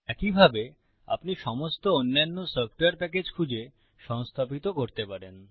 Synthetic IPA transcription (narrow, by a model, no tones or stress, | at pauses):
ɛkibʱabe | a̰pniʃɔmost̪oonːanːosəfʈoaɾpɛk̬ed͡ʑkʰud͡ʑe | ʃɔŋst̪ʰapit̪okoɾt̪epaɾen